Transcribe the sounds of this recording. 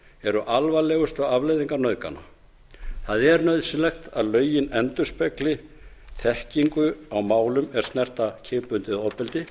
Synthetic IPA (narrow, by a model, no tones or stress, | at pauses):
ɛɾʏʔalvalɛːɣʏst̪ʏɣavlejðiŋkaɾnœɥðka̰na̰ | θaðɛɾnœɥðsɪnlɛxt̪aðlœːɥjɪnɛnt̪ʏspɛklɪ | θɛhciŋkʏawmaːwlʏmɛɾ̥st̪nɛr̥t̪acʰɪːpʏnt̪ɪðɔpɪlt̪ɪ